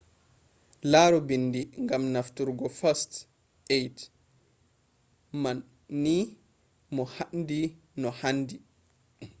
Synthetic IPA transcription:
laːɾɔbindiŋɡamnaftuɾɡɔfast | ejt | manː | i | mɔhandi | nɔhandi

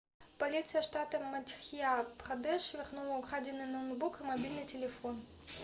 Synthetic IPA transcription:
pɐlʲit̪sɨjəʂt̪at̪ɨmɐt̪ʲxʲjabχɐd̪ɛʂvʲɪrxnulˠɐʊkʁad͡zʲɪnːɨnɐwnbukɨmɐbʲilʲnɨtʲɪlʲɪfon

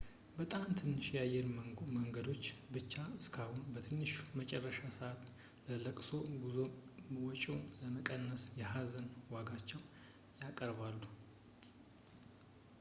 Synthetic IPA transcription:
bət̪ʼamt̪ʰɨnːɨʃjajːɛɾməŋɡəd̪o̞t͡ʃːbɨt͡ʃːaɨskʰahunbət̪ʰɨnːɨʃmət͡ʃʼɛrːəʃasəʔat̪ | lələkʼso̞ɡuzowɔt͡ʃʼuləməkʼənːəsjɛɦazənwaɡat͡ʃːɛwn | jakʼəɾβalːu

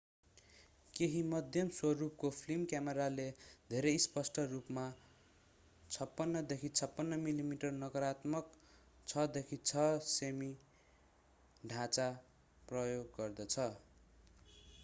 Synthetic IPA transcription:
keɦimʌd̪ʱjʌmswʌrup̚kopʰlimkjameɾaled̪ʱeɾʌjspʌsʈʌrupma | t͡sʰʌpːʌnːʌd̪ekʰit͡sʰʌpːʌnːʌmilimiʈʌrnʌkʌɾat̪mʌk | t͡sʰʌd̪ekʰit͡sʰʌsemi | ɖʱãt͡sa | prʌjoɡːʌrd̪ʌt͡sʰʌ

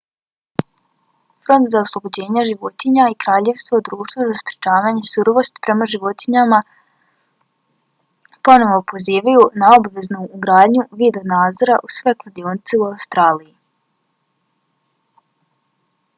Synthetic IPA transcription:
fɾo̞nt̪zaoslˠo̞bo̞d͡ʑe̞ːɲaʒiʋo̞t̪iɲaikɾaːʎe̞ʋst̪vod̪ɾuːʃt̪vozaspɾʲjet͡ʃaːʋaːɲesuɾoʋo̞st̪i̥pɾe̞maʒiʋo̞t̪iɲama | po̞no̞ʋopo̞ziːʋajunao̞baʋe̞znuːɡɾaːd̪ɲuʋiːd̪onaːd̪zo̞ɾa̰ʔusʋe̞klˠad̪ionit̪seuawst̪ɾaːliji

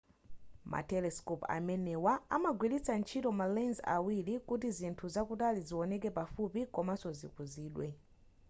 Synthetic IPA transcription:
mʔa̰tɛlɛskɔpa̰mɛnɛwaa̰maɡwilit͡sant͡ʃʰitɔmalanza̰wilikutizintʰuzakutaliziwɔnɛkɛpafupikɔmasɔzḭkuziːɗwɛ

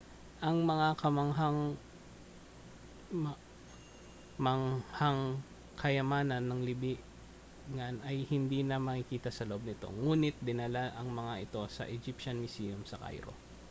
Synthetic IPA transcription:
ʔɐŋmɐŋakɐmɐŋɦaŋ | m | mɐŋhaŋ | kʰɐjɐmaːnɐnːɐŋlɪbiʔ | ŋanʔɐjhɪnd̪inɐmɐkɪkiːt̪ɐsɐloʔo̞b̚nɪt̪o̞̰ŋuːnɪt̪̚d̪ɪnɐlaʔɐŋmɐŋaʔɪt̪o̞sɐ̰ʔɛd͡ʒipʃɐnmɪsiːjomsɐka̰jɾo̞̰

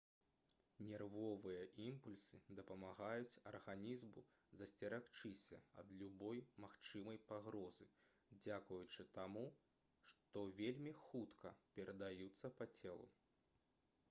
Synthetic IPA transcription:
nʲɛrvɔvɨjɐʔimpulʲsɨd̪ɐpɐmaɣajut͡sʲɐrɣanʲizmu | zɐsʲt͡sʲɛɾakt͡ʂɨsʲɐ̰ɐ̰d̪lʲubɔjmaxt͡ʂɨmɐjpaɣɾɔzɨ | d͡zʲakujut͡ʂɨt̪amu | ʂt̪ɔvʲelʲmʲixut̪kʰɐpʲɛɾɐd̪ajut̪sːɐpɐt͡sʲɛlˠṵ

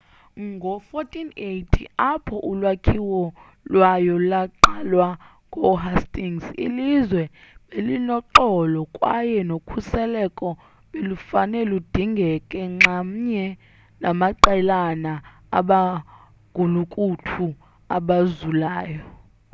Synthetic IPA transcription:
ŋɡʱɔfotʰʼinetʰḭapʰɔʔulwakʰiwɔ | lwajɔlaǃalwa | ŋɡʱɔɦastʼiŋsḭlizwɛɓelinɔǃɔlɔkʼwa̰jɛnokʰusɛlɛkʼɔ | ɓelufanɛlud̥ʱiŋɡʱɛkʼɛŋ͡ǁam̩ɲɛ | namaǃɛlana | a̰ɓa | ɡ̥ʱulukʼutʰu | aɓazulaːjɔ

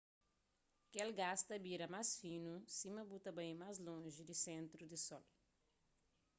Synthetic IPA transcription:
kɪelɡast̪ɐbiɾɐmajsfĩnusĩmɐbut̪ɐbẽj̃majzlõʒɪd̪ɪsẽnt̪ɾʊd̪ɪsɔl

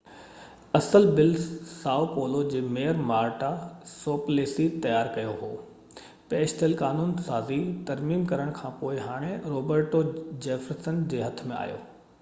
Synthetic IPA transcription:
ɐsəlbɪlssaːopoːlod͡ʑeːmejəɾmaːɾʈasoːpleːsit̪ɐjaːɾkɐjoɦoː | peːʃt̪ʰəlkaːnuːnsaːzit̪ɐɾmiːmkɐɾəɽ̃kʰãːpoːɪɦaːɽ̃ẽɾoːbəɾʈod͡ʑeːfəɾsənd͡ʑeːɦɐt̪ʰmẽa̰ːjo̰ː

